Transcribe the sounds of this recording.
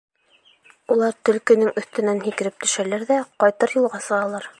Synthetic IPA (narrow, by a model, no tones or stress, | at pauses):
ulˠɑɾt̪ɵ̆lkɘ̆nɘŋɵ̆θt̪ɘ̆nænɦikɘ̆ɾɘp̚t̪ɵ̆ʃælæɾðæqɑjt̪ɤɾjulˠʁɑsɤ̆ʁɑlˠɑɾ